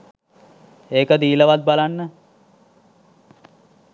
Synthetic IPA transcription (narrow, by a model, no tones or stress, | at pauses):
eːkəd̪iːləʋat̪̚balanːə